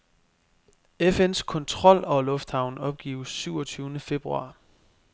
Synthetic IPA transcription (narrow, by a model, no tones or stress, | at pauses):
efen̰skʰɒ̽nt͡sʰʁɒ̽l̰ɒ̽lɔ̽fd̥hɑ̈ʊ̰nɒ̽b̥̚ɡ̥ḭːʊsːyʊ̰ɒt͡sʰyːʊnəfe̝b̥ʁuɑ̈ː